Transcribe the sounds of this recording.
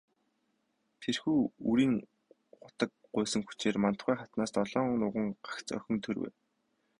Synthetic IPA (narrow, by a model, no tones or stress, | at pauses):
t̪ʰerxuːuɾiːŋ | χʊt̪ə̆k̚ | ɢʊːsə̆ŋxu̥t͡ɕeːrmant̪χæːχat̪naːst̪ɔɮɔːŋnʊʁə̆ŋɢakt͡sœ̰xʲɵ̆nt̪ʰɵrwḛː